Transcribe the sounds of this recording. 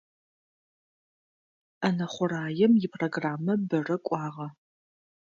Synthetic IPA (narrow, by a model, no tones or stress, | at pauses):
ɐnɐχʷʊraːjɛmjɪpʰroɡraːmːɐbɐrɐkʷʼɑːʁɐ